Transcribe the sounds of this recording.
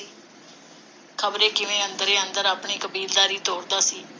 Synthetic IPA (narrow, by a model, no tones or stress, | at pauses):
kʰəbɾeːkɪʋẽːənd̪əɾeːənd̪əɾaːpɳiːkəbiːld̪aːɾiːt̪oːɾd̪aːsiː